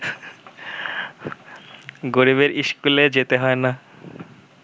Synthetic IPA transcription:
ɡoɾiβeɾiʃkuled͡ʑet̪eɦɔena

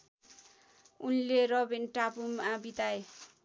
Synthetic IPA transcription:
unleɾʌbinʈapumabit̪ae

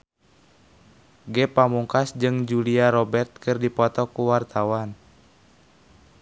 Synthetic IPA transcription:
ɡɛpamuŋkasd͡ʒɨŋd͡ʒuliaɾɔbɛrt̪̚kɨrdipɔt̪ɔkuwart̪awan

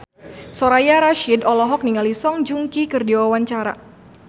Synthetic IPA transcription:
soɾajaɾaʃidɔlɔɦɔk̚niŋalisɔŋd͡ʒuŋkikərdiwawaɲt͡ʃaɾa̰

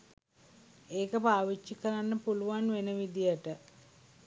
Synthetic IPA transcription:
eːkəpaːʋit͡ʃːikəɾanːəpuluʋanʋenəʋid̪ijəʈə

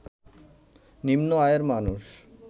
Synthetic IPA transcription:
nimnoajeɾmanuʃ

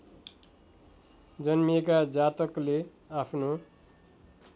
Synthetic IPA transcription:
d͡zʌnmiekad͡zat̪ʌkle | apʰno

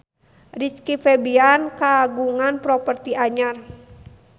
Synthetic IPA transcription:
rit͡ʃkifɛbiankaɡuŋanpɾɔpərt̪iaɲar

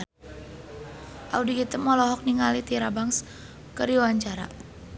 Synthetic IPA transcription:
ʔaudikit̪əmɔlɔɦɔk̚niŋalit̪iɾabaŋs | kəɾiwaɲt͡ʃaɾa̰

